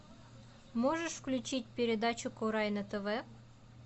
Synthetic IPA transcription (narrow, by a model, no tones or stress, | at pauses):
mɔʒeʃwklʲʊt͡ʃit̚ʲpʲeɾʲed̪ɑt͡ʃʊkɔɾɑjnɐt̪eʋɛ